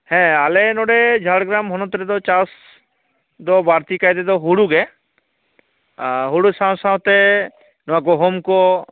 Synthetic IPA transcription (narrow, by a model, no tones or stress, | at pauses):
hɛ̃alenɔɽɛd͡ʒʱaɽɡɾamɦɔnɔt̪ɾɛd̪ɔt͡ʃas | d̪ɔbaɾt̪ikajd̪ɛd̪ɔɦuɽuɡɛ | ɦuɽusãwsãw̃t̪ɛ | nɔak̬ɔɦomkɔ